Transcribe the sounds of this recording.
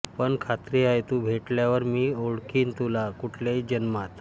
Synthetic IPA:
pəɳkʰat̪ɾiajt̪uːbʱeʈljaʋəɾmiːoɽkiːnt̪ulakuʈʰljeid͡ʑənmat̪

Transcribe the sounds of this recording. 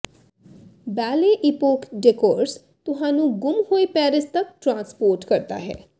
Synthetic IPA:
bɛːleʔɪpoːkɖekoːɾs | t̪ʊɦãːnũɡʊmhoːipɛːɾɪst̪ɐkʈɾãːnspoːɾʈkɐɾt̪a̰ɦɛ̰ː

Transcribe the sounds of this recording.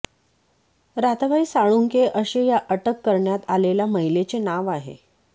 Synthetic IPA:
ɾat̪ʋaiːsaɭuŋkeʔəɕejaʔəʈəkːəɾɳjat̪alelaməɦilet͡senaʋaɦḛ

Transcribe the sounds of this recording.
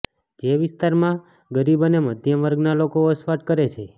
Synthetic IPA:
d͡ʒeʋɪst̪aɾmã | ɡəɾibəneməd̪ʱjəmʋəɾɡnalokoəsfaʈ̚kəɾet͡ʃʰe

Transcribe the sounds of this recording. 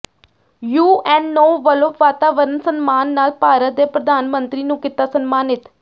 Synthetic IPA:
juːɛ̃ːnːoːʋəlopʋaːt̪aːʋəɾənsənmaːnːaːlpaːɾət̪̚d̪eːpɾəd̪aːnmənt̪ɾiːnũːkɪt̪aːsənmaːnɪt̪

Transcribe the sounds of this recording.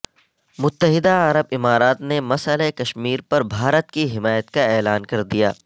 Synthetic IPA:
mʊt̪ːəɦɪd̪aɐɾəbɪmaːɾaːt̪nemɐsəlekɐʃmiːɾpɐɾbʱaːɾət̪kiɦɪmaːjət̪kaɛːlaːnkɐɾd̪ija̰ː

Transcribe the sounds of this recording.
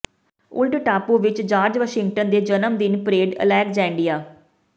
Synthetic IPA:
ʊ̰lɖʈaːpũːʋɪt͡ʃd͡ʒaːɾd͡ʒʋəʃɪŋɡ̚ʈənd̪eːd͡ʒənəmd̪ɪnpɾeːɖə̰lɛːkd͡ʒɛ̃ːɳɖijaː

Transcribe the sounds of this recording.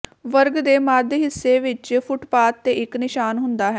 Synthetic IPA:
ʋəɾɡd̪eːmaːd̪ɦɪsːeːʋɪt͡ʃpʰʊʈpaːt̪ːeːɪknɪʃaːnɦʊnd̪aːɦɛː

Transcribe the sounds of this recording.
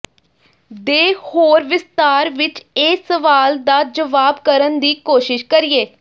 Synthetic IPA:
d̪eːhoːɾʋɪst̪aːɾʋɪt͡ʃeːsəʋaːld̪aːd͡ʒəʋaːbkəɾənd̪iːkoːʃɪʃkəɾɪːeː

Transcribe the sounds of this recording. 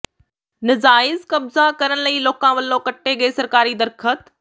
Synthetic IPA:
nɐzaːɪzkɐbzakɐɾəñ̆lɐiloːkãːʋɐlːokɐʈʰːeɠɐesɐɾkaːɾid̪ɐɾkʰət̪

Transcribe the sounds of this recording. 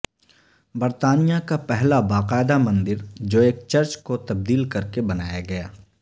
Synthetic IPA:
bɐɾt̪aːnijakapɛɦlabaːqaːɪd̪amɐ̃nd̪ɪɾd͡ʒoːeːk̚t͡ʃɐɾt͡ʃkot̪ɐb̚d̪iːlkɐɾkebɐnaːjaɡɐja̰ː

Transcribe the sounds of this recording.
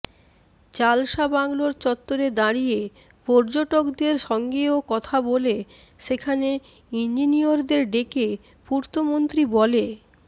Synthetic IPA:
t͡ɕalʃabaŋloɾt͡ɕɔt̪ːoɾed̪aɽije | pɔɾd͡ʑoʈokd̪eɾʃɔŋɡeokɔt̪ʰabole | ʃekʰane | ind͡ʑinioɾd̪eɾɖeke | puɾt̪omont̪ɾibɔle

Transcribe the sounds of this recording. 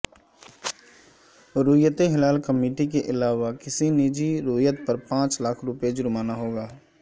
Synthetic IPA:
ɾʊːjət̪eɦɪlaːlkəmiːʈikeʔɪlaːʋakɪsiniːd͡ʒiɾoːjət̪̚pəɾpãːt͡ʃlakʰɾʊped͡ʒʊɾmaːnaɦoːɡaː

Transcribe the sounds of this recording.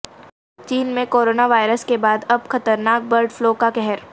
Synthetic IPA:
t͡ʃiːnmẽkoːɾoːnaʋaːɪɾəskebaːd̪ɐbxɐt̪əɾnaːk̚bɐɾɖfloːkakɛɦɛɾ

